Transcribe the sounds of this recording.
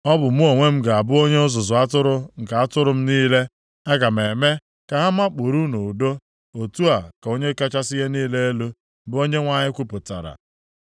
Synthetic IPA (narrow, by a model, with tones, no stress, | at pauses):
ɔ˦bʊ˨mu˦o˨ŋʷe˦m̩˦ɡa˨a˨bʊ˦o˦ɲe˦ʊ˦zʊ˨zʊ˨a˦tʊ˦ɾʊ˨ŋ̩˨ka˨a˦tʊ˦ɾʊ˨m̩˦niː˦le˦ | ɛ˦ɡa˨m˨e˨me˦ | ka˨ɦa˦m˦a˦k͡po˨ɾu˦nu˨do˦ | o˨tu˦a˨ka˨o˦ɲe˦ka˦t͡ʃa˦sɪ˦ɦe˦niː˦le˦e˦lu˦ | bʊ˦o˦ɲe˦ŋʷa˨ɲɪ˦kʷu˦pʊ˨ta̰˨ɾa̰˨